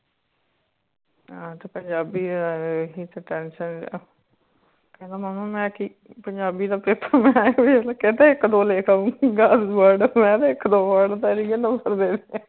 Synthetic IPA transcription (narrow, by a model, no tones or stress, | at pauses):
aːt̪eːpəɲd͡ʒaːbiːɦiːt̪eːʈɛːnʃən | kɛ̃ːnd̪aːmaːnõːmɛ̃ːkiː | pəɲd͡ʒaːbiːd̪aːpɪt̪ʰaːmɛ̃ːbilaket̪eːɪkːd̪oːleːkʰaũɡaːsʋaːɖmɛ̃ːd̪eːɪkːd̪oːʋaːɽt̪eɾiɡənəsəɾd̪eːne